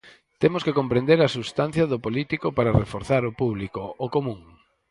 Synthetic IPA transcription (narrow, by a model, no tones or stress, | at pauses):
t̪emʊskekõmpɾẽnd̪eɾɐsust̪an̟θjɐðʊpolit̪ikopaɾarefoɾθaɾʊpuβlikookomũŋ